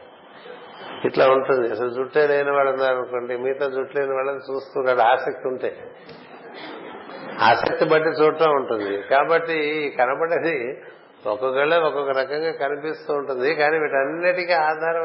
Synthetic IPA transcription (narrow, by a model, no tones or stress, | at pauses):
iʈlaːuɳʈund̪iɐsɐlud͡ʒuʈːeːlejnɐʋaːɭɐnd̪aːɾɐnukoːɳɖimiːt̪oːd͡ʒuʈleːjnɐʋaːɭːɐt͡ʃuːst̪uːkaːɽaːsɐk̚t̪iuɳʈeː | a̰ːsɐ̰k̚t̪ibɐʈːit͡ʃuːʈlaːuɳʈund̪ikaːbɐʈːikɐnɐbɐɽɐd̪i | ɔkɐkeɭːɐɔkɔkɐɾɐkɐŋɡaːkɐnipist̪uːɳʈund̪ikaːniːʋiːʈɐnːɐʈikiaːd̪ʱaːɾɐ